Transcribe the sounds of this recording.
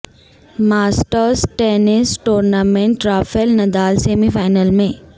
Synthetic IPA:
maːsʈəɾsʈenɪsʈuːɾnamẽɳʈɾaːfʰelnɐd̪aːlseːmifʰaːɪnəlmẽ

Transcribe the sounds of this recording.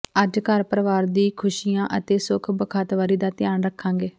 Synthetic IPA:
əd͡ʒkəɾpəɾəʋaːɾd̪iːkʰʊʃijãːʔət̪eːsʊkʰbəkʰaːt̪ʋaːɾiːd̪aːt̪ɪjaːnɾəkʰːãːŋɡeː

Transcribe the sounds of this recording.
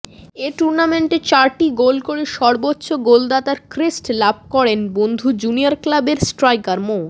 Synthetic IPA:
eʈuɾnameɳʈet͡ɕaɾʈiɡolkoɽeʃɔɾbotːɕoɡold̪at̪aɾkɾesʈlab̚ʱkɔɽenbond̪ʱud͡ʑuniaɾklabeɾsʈɾajkaɾmo

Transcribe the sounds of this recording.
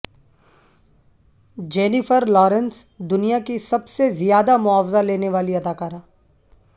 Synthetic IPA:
d͡ʒeːnifəɾlɔːɾə̃nsd̪ʊnijakisɐbsezijaːd̪amʊaːfzaleːneʋaːliɐd̪aːkaːɾãː

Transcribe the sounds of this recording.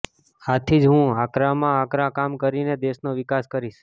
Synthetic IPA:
at̪ʰid͡ʒɦũakɾamãakɾakamkəɾined̪eʃnoʋɪkaskəɾiʃ

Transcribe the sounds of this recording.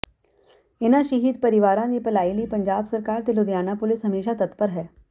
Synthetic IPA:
ɪnãʃɐɦiːd̪pɐɾɪʋaːɾãd̪ipɐlaːiliːpɐ̃ɲd͡ʒaːbsɐɾkaːɾt̪elʊd̪jaːnapʊlɪsɦɐmeːʃat̪ɐt̪pəɾɦɛː

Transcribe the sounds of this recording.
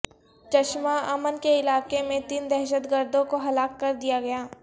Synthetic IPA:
t͡ʃɐʃmaɐmənkeɪlaːkemẽt̪iːnd̪ɛɦʃ̬əd̪ɡəɾd̪õkoɦɐlaːkːɐɾd̪ijaɡɐjaː

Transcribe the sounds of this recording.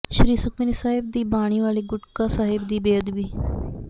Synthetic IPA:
ʃɾiːsʊkʰmɪnisaːɦɪb̚d̪iːbaːɽ̃iːʋaːliːɡʊʈkaːsaːɦɪbd̪iːbeːəd̪biː

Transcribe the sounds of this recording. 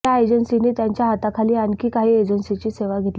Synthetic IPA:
aed͡ʑənsiniːt̪jaɲt͡ɕjaɦat̪akʰaliːankiːkaɦiːed͡ʑənsit͡ɕiːseʋaɡʱet̪l

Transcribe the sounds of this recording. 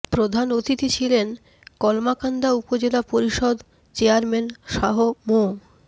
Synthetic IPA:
pɾod̪ʱanot̪it̪it͡ɕʰilen | kɔlmakand̪aupod͡ʑelapoɾiʃod̪ | t͡ɕeaɾmenʃaɦomo

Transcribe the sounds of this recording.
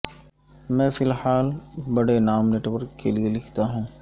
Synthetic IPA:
mɛ̃ːfɪlhaːlbɐɽenaːmneʈwəɾkelielɪkʰt̪aɦũː

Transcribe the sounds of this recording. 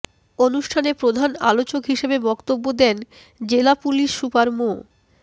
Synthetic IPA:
onuʃʈʰanepɾod̪ʱana̰lot͡ɕokɦiʃebebɔkt̪obːod̪ɛn | d͡ʑelapuliʃːupaɾmo

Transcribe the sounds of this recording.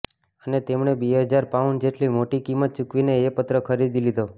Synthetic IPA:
ənet̪emɳebeɦəd͡ʒaɾpaʋənd͡ʒeʈlimoʈikimət̪̚t͡ʃukʋineːpət̪ɾəkʰəɾid̪ilid̪o

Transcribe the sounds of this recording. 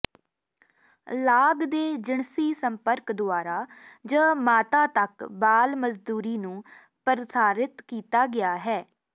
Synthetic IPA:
laːɡd̪eːd͡ʒɪɳsiːsəmpəɾkd̪ʊaːɾaːd͡ʒə̃ːmaːt̪ãːt̪əkbaːlməzd̪uːɾiːnũː | pəɾɪsaːɾɪt̪kiːt̪aːɡɪaːɦɛː

